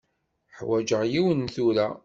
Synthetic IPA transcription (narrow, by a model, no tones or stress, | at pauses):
ħwæd͡ʒəʁjiwənθuɾæ